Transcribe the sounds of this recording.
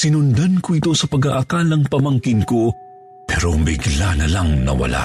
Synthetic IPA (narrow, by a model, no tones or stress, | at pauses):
sɪnʊnd̪ankoʔɪt̪o̞sɐpɐɡaʔɐkaːlɐŋpɐmɐŋkɪnko̞ | pɛɾobɪɡlanɐlaŋnɐ̰wɐ̰lʔa̰